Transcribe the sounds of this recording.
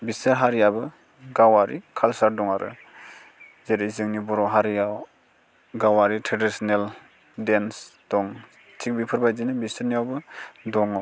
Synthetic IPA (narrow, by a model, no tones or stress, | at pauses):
bisɯɾɦaɾijabɯ | ɡawaɾikʰalsaɾdɔŋaɾʔɯ̰ | zeɾizɯŋnibɔɾɔɦaɾijaw | ɡawaɾitʰɾadisɔnel | densd̥ɔŋ | tʰik̚bipʰɯɾbajzinɯbisɯɾnijawbɯdɔŋa